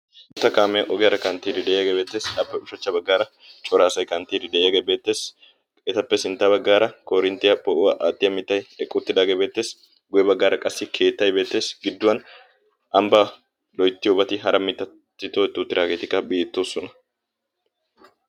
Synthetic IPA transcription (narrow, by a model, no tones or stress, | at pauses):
t̪ːɐkaːmɛjɐʔɔɡɪjɐɾɐkɐnt̪ːiːd̪ɪd̪ɛjɐɡebe̞ːt̪ːe̞ːsɐpːɛʊʃɐt͡ʃːɐbɐɡːaːɾɐ | t͡ʃʼɔɾaːsɐjkɐnt̪ːiːd̪ɪd̪ɛjjaɡebe̞ːt̪ːe̞ːs | ɛt̪ɐpːɛsɪnt̪ːabɐɡːaːɾɐkoːɾɪnt̪ːɪjɐpʼɔʔʊwaʔaːt̪ʼːɪjɐmɪt̪ːɐjɛkʼːʊt̪ːɪd̪aːɡebe̞ːt̪ːe̞ːs | ɡʊjɛbɐɡːaːɾɐkʼɐsːɪkʰe̞ːt̪ːɐjbe̞ːt̪ːe̞ːsɡɪd̪ːʊwɐn | ʔɐmbɐ | lɔjt̪ːɪjɔbɐt̪ɪɦɐɾɐmɪt̪ːɐ | t̪ːɪt̪oːɛt̪ːuːt̪ːɪɾaːɡe̞ːt̪ɪkːɐbiːt̪ːoːsːɔnɐ